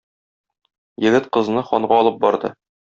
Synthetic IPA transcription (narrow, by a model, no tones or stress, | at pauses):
jɘ̆ɡɘt̪qɤ̆znɤχɒɴɢɑɒlˠɤp̚bɒɾd̪ɤ̰